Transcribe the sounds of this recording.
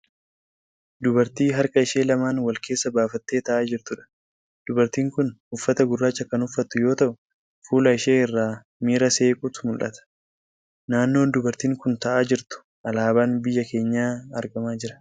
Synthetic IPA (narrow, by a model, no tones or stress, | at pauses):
d̪ʊbɐɾt̪iːɦɐɾkʼɐɪʃe̞ːlɐmaːnwɐlkʰe̞ːsːɐbaːfɐt̪ːeːt̪ɐʔaːd͡ʒɪɾt̪ʊᶑɐ̥ | d̪̥ʊbɐɾt̪iːŋkʊnʊfːɐt̪ɐɡʊrːaːt͡ʃːɐkɐnʊfːɐt̪ːʊjo̞ːt̪ɐʔʊ | fuːlɐɪʃeːɪrːaː | miːɾɐse̞ːkʼʊt̪ʊ̥mʊlʔɐ̰t̪ɐ̥ | naːnːo̞ːnd̪ʊbɐɾt̪iːŋkʊnt̪ɐʔaːd͡ʒɪɾt̪ʊ̥ | ʔɐlaːbaːnbɪjːɐke̞ːɲːaːɐɾɡɐmaːd͡ʒɪɾɐ̥